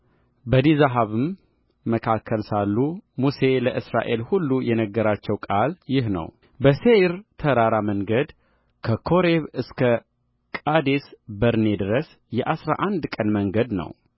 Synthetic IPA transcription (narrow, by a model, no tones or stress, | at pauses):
bəd̪izaɦaβɨmː | əkʰakʰːəlsalːumuse̞ləʔɨsɾa̰ʔe̞lhulːujɛnəɡːəɾat͡ʃːɛwkʼaljɪhnə̰w | bəseɾt̪ʰəɾaɾaməŋɡəd̪ | kʰəkʰoɾeβɨskʰə | kʼad̪esbəɾne̞d̪ɨɾəs | jɛʔasɾa̰ʔand̪kʼənməŋɡəd̪nə̰w